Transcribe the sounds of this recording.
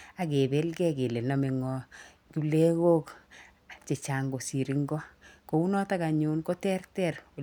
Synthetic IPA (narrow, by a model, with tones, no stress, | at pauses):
a˨ke˨be˦lɡɛ˦ke˨le˨na˨me˨ŋɔ˨ | ku˦le˦ɣo˦k | t͡ʃe˨t͡ʃa˨ŋɡo˨si˨ɾi˦ŋɡɔ˦ko˨˦u˦nɔ˦ta˦ka˨ɲu˦nko˦tɛ˦rtɛ˦r